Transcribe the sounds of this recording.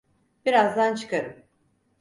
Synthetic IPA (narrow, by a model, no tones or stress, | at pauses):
b̥iɾazd̪ant͡ʃʰɯ̥kʰaɾɯm